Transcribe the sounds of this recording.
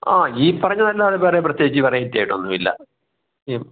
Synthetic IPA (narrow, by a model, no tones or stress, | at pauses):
aːiːpɐrɐɲːɐnɐlːaːɽepeːrep̬rɐt̪jeːɡikːt͡ɕːɨʋɐrɐjitʲːaːjʈːumonːumilːɐ̰ | i